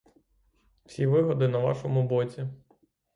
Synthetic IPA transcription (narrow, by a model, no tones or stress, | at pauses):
w̥sʲiʋɪɦɔd̪ɪnɐʋɑ̰ʃɔmʊbɔt͡sʲi